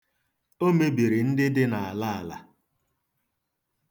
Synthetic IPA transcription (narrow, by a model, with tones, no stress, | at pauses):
o˦me˦bi˨ɾi˨n̩˦dɪ˦dɪ˦na˨a˨la˦a˨la̰˨